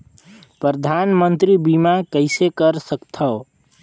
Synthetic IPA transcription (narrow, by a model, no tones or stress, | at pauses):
pɾəd̪ʱanmənt̪ɾibimakəɪsekəɾsəkt̪ʰəo